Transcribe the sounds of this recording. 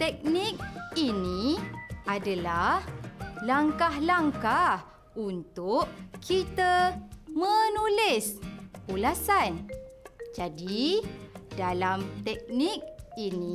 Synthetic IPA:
t̪ɛk̚nik̚iniʔadalahlaŋkahlaŋkah | unt̪ʊʔkʰit̪əmə̃nulɪsulasan | d͡ʒadi | dalamt̪ɛk̚nik̚ini

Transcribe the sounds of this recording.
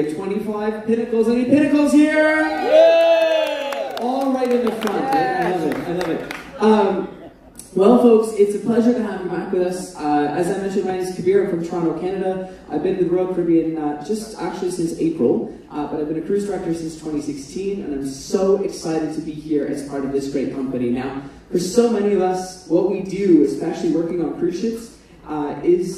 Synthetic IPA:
tʰw̥ɛ̃ɾ̃ifaɪv̥pʰɪnɨkl̩ˠzɛñipɪ̃nɨkl̩ˠz̥hiɹ | ɔlˠɹaɪɾɨ̃nðɨfɹʌ̃nʔɨaɪlʌvɪt̚a̰ɪlʌvɨt̚ʔʌ̃m | wɛlˠfoʊksɪtsɨpʰl̥ɛʒə˞ɾɨɦæ̃nkɨ̃mbækwɨðʌsʌɨzaɪmɛ̃nʃɨ̃ndbaɪniz̥kʰɨbɪɹɨfɹʌ̃mtʰɹ̥ãnoʊkʰænɨɾəʔaɪvbɨ̃nwɨðɹoʊd̥̚fə˞bĩnd͡ʒʌstæ̰k̚t͡ʃʉl̩ˠisɪ̃nsḛɪpɹl̩ˠ | ʔb̥ʌɾaɪvbɨ̃nɨkʰɹ̥ʉstɹ̥æk̚tə˞sɪ̃nstʰw̥ɛ̃ɾ̃isɪkstʰĩnɨ̰̃nãɪ̃msoʊʔɨksaɪɾɨd̚tʰɨbihiɹʔɨ̰z̥pʰɑɹɾʌvðɪsɡ̥ɹeɪt̚kʰʌ̃mpɨninaʊ | fə˞soʊmɛɾ̃iʌvʌswʌt̚widɨɪz̥spɛʃl̩ˠiwɜ˞kɪ̃ŋə̃nkʰɹ̥ʉʃɪps | ɪz̥

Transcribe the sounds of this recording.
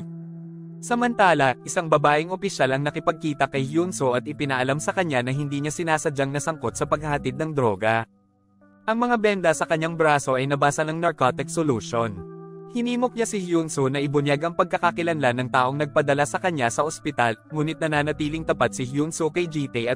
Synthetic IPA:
sɐmɐnt̪aːlɐʔɪsaŋbɐbaːʔɪŋʔopɪʃalɐŋnɐkɪpɐɡ̚kiːt̪ɐkɐjhjunsoʔɐt̪̚ɪpɪnɐʔɐlamsɐkɐɲːanɐɦɪnd̪iːɲasɪnaːsɐd͡ʒaŋnɐsɐŋko̞t̪̚sɐpɐɡ̚hɐhɐt̪ɪd̪nɐŋd̪ɾo̞ːɡɐ | ʔɐŋmɐŋabɛnd̪ɐsɐkɐɲːaŋbɾaːso̞ʔɐjnɐbaːsɐnɐŋnɐɹkot̪ɪksoluːʃonhɪniːmok̚ɲasɪhjunsonɐʔɪbʊnjaɡʔɐŋpɐɡ̚kɐkɐkɪlɐnlanɐŋt̪aːʔo̞ŋnɐɡ̚pɐd̪ɐlasɐkɐɲːasɐʔospɪt̪alŋuːnɪt̪̚nɐnaːnɐt̪iːlɪŋt̪ɐpat̪̚sɪhjunsokɐjd͡ʒiːt̪ɛjɐt̪

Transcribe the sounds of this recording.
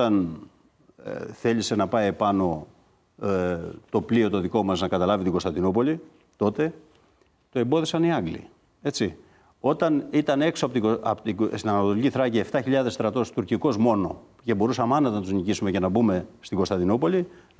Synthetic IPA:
ɐn | θe̞lise̞nɐpɐipɐno̞ | t̪o̞pliot̪o̞ðiko̞mɐznɐkɐt̪ɐlɐvit̪iŋɡo̞st̪ɐnd̪inop̬o̞li | t̪o̞t̪e̞ | t̪oembo̞ðisɐniɐŋɡlḭ | e̞t͡si | o̞t̪ɐnit̪ɐne̞ksoɐpot̪iosinɐnɐt̪o̞liciθɾɐcie̞ft̪ɐçiʎɐðe̞st̪ɾɐt̪o̞st̪uɾciko̞zmo̞no̞ | ce̞bo̞ɾusɐmeɐnɐt̪enɐt̪uznicisume̞ce̞nɐbume̞st̪iŋɡo̞st̪ɐnd̪inopo̞li

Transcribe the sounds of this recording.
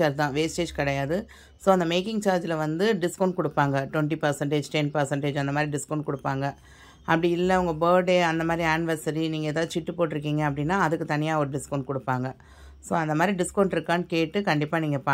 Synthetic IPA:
aːɾd͡ʒt̪ãːʋeːsʈeːd͡ʒkɐɽɐjaːðɯ | soːɐnd̪ɐmeːkɪŋt͡ʃaːɾd͡ʒɪlɐʋɐnd̪ɯɖɪskɐʊɳɖ̚kʊɽɯpːaːŋɡɐʈʋɛɳʈipɐɾsɐɳʈeːd͡ʒʈɛnpɐɾsɐɳʈeːd͡ʒɐnd̪ɐmaːd̪ɾiɖɪskɐːɳʈ̚kʊɽɯpːaːŋɡɐ | ɐpːɐɽɪɪlːɐʊŋɡɐboːɖeːɐnd̪ɐmaːd̪ɾiaːnɪʋɐɾsɐɾiniːŋɡɐeːðaːðɯt͡ʃɪʈːɯpoːʈːɪɾɯk̬ːiːŋɡɐɐpːɐɽɪnːaːɐðɯkːɯt̪ɐnɪjaːɔɾɯɖɪskɐːɳʈ̚kʊɽɯpːaːŋɡɐ | soːɐnd̪ɐmaːd̪ɾiɖɪskoːɳɖɪɾɯkːaːnɯkeːʈːɯkɐɳɖɪpːaːniːŋɡɐpaː

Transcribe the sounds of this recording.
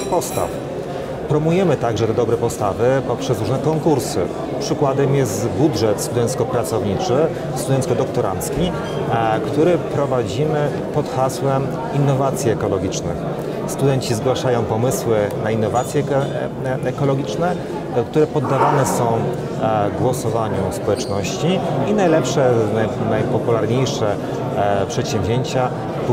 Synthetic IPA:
pɔst̪a̰f | pɾɔmujɛmɘt̪aɡʐɛt̪ɛd̪ɔbɾɛpɔst̪avɘpɔpʂɛsɾuʐnɛkɔŋkuɾsɘ̰ | pʂɘkwad̪ɛmjɛst̪budʐɛt̪st̪ud̪ɛnt̪skɔpɾat̪sɔvɲit͡ʂɘ | st̪ud̪ɛnt̪skɔd̪ɔkt̪ɔɾa̰nt̪skʲi | kt̪uɾɛpɾɔvad͡ʑimɘ | pɔt̪xaswɛm | inːɔvat̪sʲjiɛkɔlɔɡʲit͡ʂnɘ̰x | st̪ud̪ɛnt͡ɕizɡwaʂajɔ̃w̃pɔmɘswɘnainːɔvat̪sʲjɛ | ɛkɔlɔɡʲit͡ʂnɛ | kt̪uɾɛpɔd̪ːavanɛsɔ̃w̃ | ɡwɔsɔvaɲuspɔwɛt͡ʂnɔɕt͡ɕiːnajlɛpʂɛnanajpɔpulaɾɲejʂɛ | pʂɛt̪ɕɛ̃mvʲʑʲeɲt͡ɕa

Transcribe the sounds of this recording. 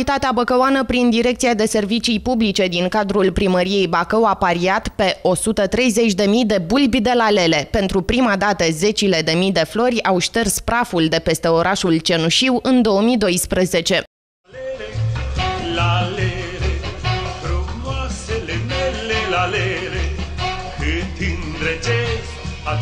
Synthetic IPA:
it̪at̪eabəkəwanəpɾind̪iɾe̞kt̪siad̪e̞se̞rvit͡ʃijpublit͡ʃe̞d̪iŋkad̪ɾulpɾiməɾije̞jbakəwapaɾiat̪pe̞ʔo̞sut̪ət̪ɾe̞jze̞t͡ʃʲd̪e̞mijd̪e̞bulbʲd̪e̞lale̞le̞pe̞nt̪ɾupɾimad̪at̪əze̞t͡ʃile̞d̪e̞mijd̪e̞flo̞rʲawʃt̪erspɾafuld̪e̞pe̞st̪e̞o̞ɾʔaʃult͡ʃe̞nuʃiwɨnd̪o̞əmid̪o̞jspɾəze̞t͡ʃe̞ | lalelefɾumwaselemelelalele | kɨt̪ind̪ɾet͡ʃe | a

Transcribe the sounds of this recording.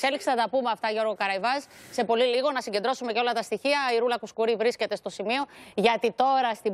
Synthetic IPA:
se̞liksinɐt̪ɐpumeɐft̪ɐʝo̞ɾɣo̞kɐɾɐjvɐsse̞po̞liliɣo̞nɐsiɲɟed̪ɾo̞sume̞ceo̞lɐt̪ɐst̪içiɐiɾulɐkuskuɾivɾisce̞t̪e̞st̪o̞simio̞ʝɐt̪it̪o̞ɾɐst̪i

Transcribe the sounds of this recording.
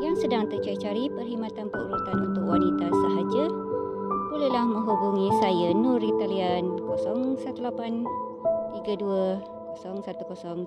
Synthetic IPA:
jaŋsədaŋt̪ət͡ʃuit͡ʃaɾipərɦimãt̪anpəṵɾut̪anunt̪ʊkwanit̪asəɦad͡ʒa | bolelahmə̃ŋɦubuŋĩsajənũɾit̪aliankɔsɔŋsat̪ulapan | t̪iɡaduə | kosɔŋsat̪ukosɔŋ

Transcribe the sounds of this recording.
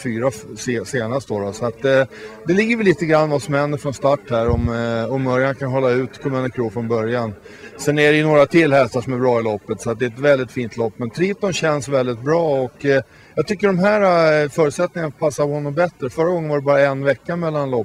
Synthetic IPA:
fyːɾasseːnast̪d̪oːɾɔsɔat̪d̪ɛlɪɡːəɾvɛliːt̪əɡɾanːvasɔmhɛnd̪əɾfɾɔnst̪aʈːhæɾɔmɔmːœɾjankʰanɦɔlːaʉ̟ːt̪kʰɔmɛnəkʰɾuːfɾɔnbœɾjan | sɛnæɖɛjɵnoːɾat̪ʰɪlːhɛst̪aʂɔmæɾbɾɑːɪlɔpːət̪sɔat̪̚d̪ɛɛt̪vɛld̪ɪt̪fiːnt̪ʰlɔpːmɛnt̪ʰɾiːt̪ɔnɕɛnsvɛld̪ɪt̪̚bɾɑːɔkː | jɑɡt̪ʰʏkːəɖɔmɦæːɾafœːɾʉt̪sɛt̪nɪŋanapʰasːapɔhɔnːɔmbɛt̪ɾəfœɾːaɡɔŋənvaɖɛbɑːɾaɛnvɛkːamɛlːanlɔpː

